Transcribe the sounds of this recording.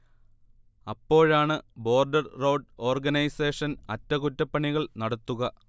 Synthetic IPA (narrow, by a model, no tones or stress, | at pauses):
ɐpːo̞ːɻaːɳɨbo̞ːrɖɐrrɐwɖo̞ːrɡɐnɐjse̞ːʂɐnɐtːɐkutːɐpːɐɳiɣɐɭnɐɽɐt̪ːuɣɐ